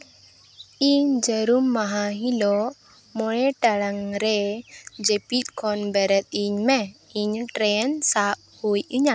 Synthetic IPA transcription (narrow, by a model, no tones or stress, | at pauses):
iɲd͡ʒəɾumːaɦaɦilɔ | mɔɽeʈaɽaŋɾed͡ʒepit̪̚kʰɔnbɛɾɛt̪̚iɲmɛiɲʈɾensap | hujiɲa